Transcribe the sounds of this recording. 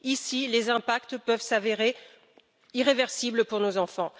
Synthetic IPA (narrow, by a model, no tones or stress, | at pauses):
isilezɛ̃pak̚t̪pœvsaveʁe | iʁevɛʁsibləpuʁnozɑ̃fɑ̃